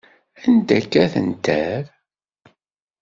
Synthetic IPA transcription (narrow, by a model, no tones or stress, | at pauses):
ænd̪ækːæθə̰nt̪æɾ